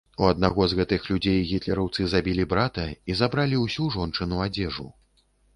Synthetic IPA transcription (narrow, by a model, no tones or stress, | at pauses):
uɐd̪̚naɣɔzɣɛt̪ɨxlʲud͡zʲejɣʲit̪lʲɛɾawt̪sɨzabʲilʲibɾat̪ɐizabɾalʲiwsʲuʐɔnt͡ʂɨnuad͡zʲɛʐṵ